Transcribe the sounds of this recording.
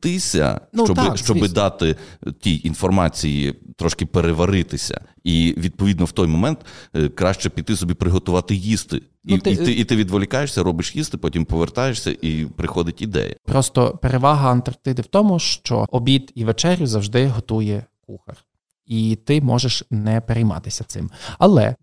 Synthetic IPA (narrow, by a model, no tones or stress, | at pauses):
t̪ɪsʲɐ̰nt͡ʃɔbɪʃt͡ʃɔbɪd̪ɑt̪ɪt̪ʲiinfɔrmɑt͡sʲijḭt̪ɾɔʃkɪpeɾeʋɐɾɪt̪ɪsʲɐ̰iʋʲid̪̚pɔʋʲid̪nɔwt̪ɔjmɔmɛnt̪kɾɑʃt͡ʃɛpʲit̪ːɪsɔbʲipɾɪɦɔt̪ʊʋɑt̪ɪjist̪ɪ̰ | niɪit̪ɪːt̪ɪʋʲid̪ʋɔlʲikɑjeʃsʲɐɾɔbɪʃjist̪ɪpɔtʲimpɔʋert̪ɑjeʃsʲɐ̰ʔipɾɪxɔd̪ɪtʲid̪ɛ̰jɐ̰pɾɔst̪ɔ̰peɾeʋɑɦɐɐnt̪ɐrt̪ɪd̪ɪwt̪ɔmʊʃt͡ʃɔ̰ɔbʲit̪iʋet͡ʃɛɾʲjʊzɐwʒd̪ɪɦɔt̪ujɛkuxɐr | it̪ɪmɔʒeʃnɛpeɾejmɑ̰t̪ɪsʲɐt̪sɪmɐlˠɛ̰